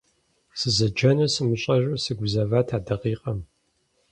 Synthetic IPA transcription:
sɨzɐd͡ʒɐnɨsɨmɨɕʼɐʒʷɐsɨɡʷʊzɐvaːtʰaːdɐqiːqʼɐm

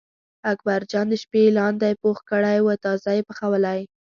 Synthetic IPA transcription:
ak̚baɾd͡ʒɑnd̪əʃpelɑnd̪ajpoxkəɽajwət̪ɑzajepəxawəlaj

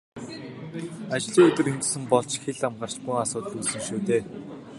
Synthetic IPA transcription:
at͡ɕɮiːŋɵt̪ɵ̆ɾint̪̆sɘ̆mpɔɮt͡ɕxeɮamɢar̥t͡ɕɡujŋasʊːt̪xusɘ̆ŋʃuːt̪eː

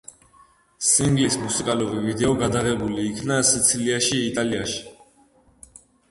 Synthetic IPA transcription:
siŋɡlismusikʼaluɾivid̪ɛɔɡad̪aʁɛbuliːkʰnasit̪sʰiliaʃiːt̪ʼaliaʃi̥

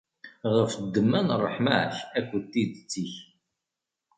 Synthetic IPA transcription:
ʁəfd̪ːəmːænrˤːəħmaʕ̰çækʷːət̪ːid̪t͡sːiç

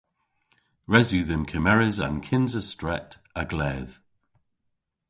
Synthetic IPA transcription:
ɹɛzʉːðɪnkʰəmɛɹɪzã̰nkʰɪnzəstɹɛt | əɡlɛːð̥

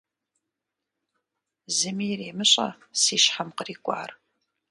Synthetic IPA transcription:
zɨmiːreːmɨɕʼɐ̰ | siːʃħamqəriːkʷʼa̰ːr

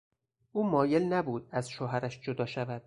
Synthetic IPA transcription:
ʔuːmɒːje̞lnæbuːd̪̥æzʃoːɦæɾæʃd͡ʒod̪ɒːʃævæd̪̥̚

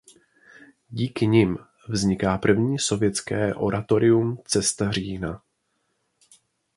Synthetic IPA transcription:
ɟiːkɪɲɪm | vzɲɪkaːpr̩vɲiːso̞vjɛt͡skɛːʔo̞̰ɾʔat̪o̞ɾɪumt͡sɛst̪ariːna

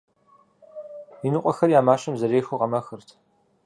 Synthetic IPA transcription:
inɨqʷʼɔxɐrjaːmaːɕɐmzɐɾeːxoʁɐmɐxɨrtʰ

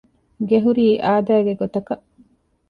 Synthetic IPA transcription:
ɡeɦuɾiːʔaːd̪æːɡeɡot̪ɐkɐʔ

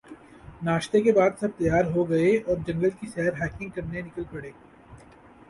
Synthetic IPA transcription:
naːʃt̪ekebaːd̪sɐb̚t̪ɐjaːɾɦoɡɐeɔːɾd͡ʒɐ̃ŋɡəlkiʃɛɦəɾɦɛːkɪ̃ŋɡ̚kɐɾnenɪkəlpɐɽeː

